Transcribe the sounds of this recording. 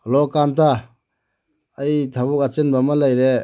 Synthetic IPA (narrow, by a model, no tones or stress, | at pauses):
lɔkantʰa | jtʰabuk̚at͡ʃenbamalajɾe